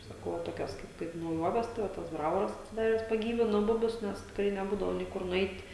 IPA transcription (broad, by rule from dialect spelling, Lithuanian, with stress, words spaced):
sɐˈkɐʊ ʋɐ ˈtoːkʲoːs kɐɪp kɐɪp nɐʊˈjuɔʋʲɛs tɐɪ ˈʋɐ tɐs ˈbrɑːʋoːrɐs ɐtʲsʲɪˈdɑːrʲɛs pɐˈɡʲiːʋʲɪnoː ˈbʊbʲʊs ˈnʲɛs tʲɪkˈrɐɪ nʲɛˈbuːdɐʋoː nʲɛɪ ˈkʊr nʊˈɛɪtʲ